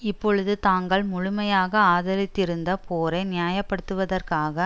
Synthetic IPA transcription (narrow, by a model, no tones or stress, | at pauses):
ɪpːɔɻɯðɯt̪aːŋɡɐɭmʊɻʊmɐjaːɣɐaːðɐɾɪt̪ːɪɾɯnd̪ɐpʰoːɾɐɪnɪjaːjɐpːɐɽɯt̪ːɯʋɐðɐrkaːɣɐ